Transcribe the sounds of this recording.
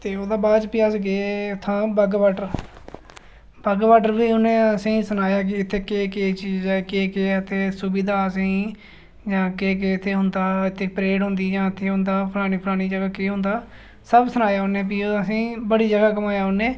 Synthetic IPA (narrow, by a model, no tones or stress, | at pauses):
t̪eːoːd̪aːbaːd͡ʒpiəsɡeːt̪ʰːãːbəɡʋaːʈəɾ | bəɡʋaːʈəɾbiːʊnẽːəsĩːsənaːjaːk̬ɪɪt̪ʰːeːkeːkeːt͡ʃiːd͡ʒd͡ʒakeːkeːət̪ʰeːsʊbid̪aːəsĩː | d͡ʒãːkeːk̬eɪt̪ʰːeːɦʊnd̪aːɪt̪ʰːeːpɾeːɽɦʊ̃nd̪iːd͡ʒãːɪt̪ʰːeːɦʊ̃nd̪aːpʰəɾaːɽ̃iːpʰəɾaːɽ̃iːd͡ʒəɡaːkiːɦʊ̃nd̪aː | səbsənaːjaːɦʊnẽːpiːoːaːsĩːbəɽiːd͡ʒəɡaːkəmaːjaːɦʊnẽː